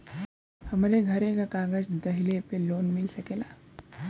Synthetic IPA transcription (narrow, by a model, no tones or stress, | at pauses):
hɐmɾeɡʱɐɾekakaːɡəd͡ʒd̪ɐɦɪlepeloːnmɪlsɐkeːlaː